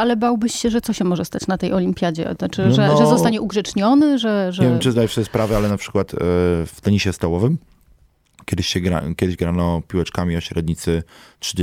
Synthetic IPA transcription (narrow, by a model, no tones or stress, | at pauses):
alɛbawbɘɕɕɛʐɛt̪sɔɕɛmɔʐɛst̪at͡ɕnat̪ɛjɔlʲimʲpʲjad͡ʑɛ̰t͡ʂɘʐɛʐɛzɔst̪aɲɛʔuɡʐɛt͡ʂɲɔnɘʐɛʐɛɲevʲjɛmt͡ʂɨzd̪ajɛʂt̪ɔjɛspɾavɛalɛnapʂɘ̥kwat̪ft̪ɛɲiɕɛst̪awɔvɘm | kʲɛd̪ɪɕɕɛɡɾa̰kʲɛd̪ɘʑɡɾanɔpʲiwɛt͡ʂkamʲiɔɕɾɛd̪ɲit̪sɘtʂɘd͡ʑ